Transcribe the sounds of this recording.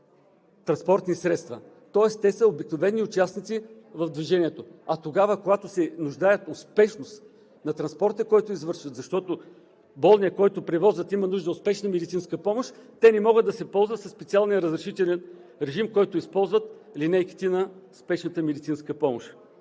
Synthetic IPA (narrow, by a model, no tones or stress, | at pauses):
t̪ɾɐnspɔɾt̪nisɾɛt̪st̪vɐ | t̪ɔɛst̪ɛsəobiknovɛnːiʊt͡ʃasnit̪si | vɐfd̪viʒɛniɛt̪oɐt̪oɡavəkoɡat̪osɛnʊʒd̪ajət̪ospɛʃnost̪ | nɐt̪ɾɐnspɔɾt̪əkɔjt̪oizvɤɾʃət̪zɐʃt̪ɔt̪o | bɔlˠniɐkɔjt̪ʊpɾɛvɔzvət̪imɐnuʒd̪əʊspɛʃnəmɛd̪it̪sinskəpɔmoʃt̪ɛnɛmɔɡəd̪ɐsɛpɔlˠzvət̪sɐspɛt̪sialˠnijəɾəzɾɛʃit̪ɛlʲɛnɾɛʒimkɔjt̪ʊispɔlˠzvət̪linɛjki̥t̪inɐspɛʃnət̪əmɛd̪it̪sinskəpɔmoʃ